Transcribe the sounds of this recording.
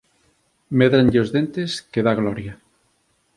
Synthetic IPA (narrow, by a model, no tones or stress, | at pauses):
meðɾanʎeozðent̪eskeðaɣ̞lɔɾja